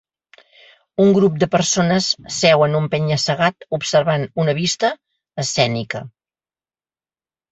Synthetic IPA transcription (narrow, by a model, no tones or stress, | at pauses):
uŋɡɾup̚d̪əpəɾsonəssɛwənumpɛɲəsəɣ̞at̪upsəɾβanunəβ̞ist̪əː | sɛnikə